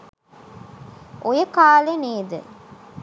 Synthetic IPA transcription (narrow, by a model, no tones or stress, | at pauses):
ʔojəkaːleneːd̪ə̰